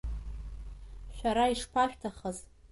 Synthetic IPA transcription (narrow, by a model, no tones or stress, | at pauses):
ʃʷᶣaɾaiʂpʰaʃᶣtʰaχəz